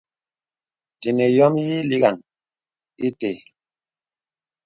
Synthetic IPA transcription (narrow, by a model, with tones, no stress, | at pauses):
ti˨ne˨jɔ˦mji˦li˦ɣa˨ŋ | i˦te˨